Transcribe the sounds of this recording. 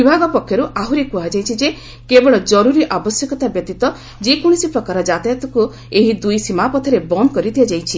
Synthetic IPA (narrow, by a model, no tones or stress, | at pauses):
bibʱaɡɔpɔkʰjɔɾuʔaɦuɾekuɦad͡ʒajt͡ʃʰid͡ʒe | kebɔɭɔd͡ʒɔɾuɾiʔabɔsjɔkɔt̪abjɔt̪it̪ɔ | d͡ʒekuɽ̃isipɾɔkaɾɔd͡ʒat̪ajat̪ɔku | eɦid̪ujsimapɔt̪ʰɔɾebɔnkɔɾit̪ʰiad͡ʒajt͡ʃʰi